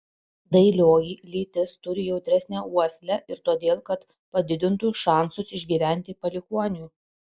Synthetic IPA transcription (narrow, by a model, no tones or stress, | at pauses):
d̪ɐɪlʲoːjiːlʲiːt̪ʲɪst̪ʊɾʲɪjɛʊd̪ʲɾʲæsʲnʲæuɔsʲlʲɛʔɪɾt̪uɔd̪ʲeːlˠkɐt̪ | pɐd̪ʲɪd̪ʲɪnt̪uːʃɑˑnsʊsɪʒʲɡʲiːʋʲæˑnʲt̪ʲɪpɐlʲɪkuɔnʲuː